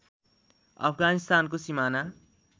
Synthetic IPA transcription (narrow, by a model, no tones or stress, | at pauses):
ʌ̰pʰɡanist̪aːnkosimana